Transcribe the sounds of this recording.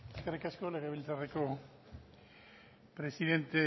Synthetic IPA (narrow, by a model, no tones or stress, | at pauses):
eskerikasko̞le̞ɣ̞e̞β̞ilt͡sareko̞ | pɾe̞siðe̞nt̪e